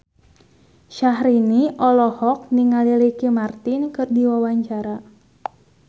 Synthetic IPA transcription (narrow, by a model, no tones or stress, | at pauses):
ʃaɦɾiniʔɔlɔhɔk̚niŋalilikimart̪ɪnkɨrdiwawaɲt͡ʃaɾa